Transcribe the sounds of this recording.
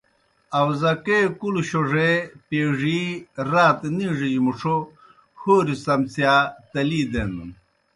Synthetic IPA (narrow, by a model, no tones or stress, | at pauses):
ɐwzɐkekuluɕoʐepeːʐiɾaːt̪niʐid͡ʑmuʂo | hoːɾisɐmt͡sjaːt̪ɐliːd̪enṵn